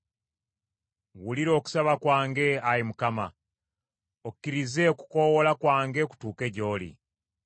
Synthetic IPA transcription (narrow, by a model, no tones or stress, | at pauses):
wuliɾo̞ːku̥saβakwaːŋɡe̞ajimukama | okːiɾize̞ku̥ko̞wolakwaːŋɡeku̥tuːke̞ɟo̞ːlḭ